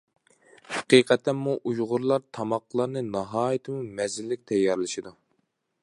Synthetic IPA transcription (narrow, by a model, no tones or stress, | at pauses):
hɛqiːqʰɛt̪ʰːɛnmuʔujʁʊɾlˠɑɾt̪ʰɑmɑqlˠɑɾnɨnɑɦɑːjit̪ʰɨmumɛzɪlːɪk̚ʲt̪ʰɛjːɑɾlˠɨʃid̪u